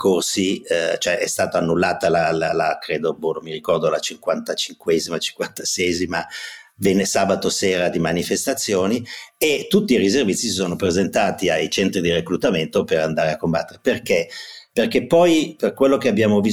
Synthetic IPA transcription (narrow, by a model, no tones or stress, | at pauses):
kʰorsit͡ʃoɛʔɛst̪aːt̪oanːulːaːt̪alalalakɾeːd̪obonomiɾikɔrd̪olat͡ʃiŋkwant̪at͡ʃiŋkwɛzimat͡ʃi̥ŋkwant̪ḁsɛzimavenːesaːbat̪oseːɾad̪imanifest̪at̪sːjoːniet̪ːut̪ːiːriservit̪sːisisoːnopɾezent̪aːt̪iajt͡ʃɛnt̪ɾid̪ireklut̪ament̪opeɾand̪aːɾeakːombat̪ːeɾeperkeperkepːɔjperkwelːokeabjaːmovi